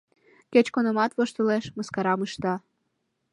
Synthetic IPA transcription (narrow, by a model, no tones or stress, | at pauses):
ket͡ɕkonəmɑt̪βoʃt̪əleʃməskɑɾɑmɨʃt̪ɑ